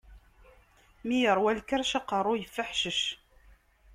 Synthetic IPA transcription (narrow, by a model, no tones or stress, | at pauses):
mijəɾˤwælkəɾʃɑqərˤːʊjəfːəħʃəʃ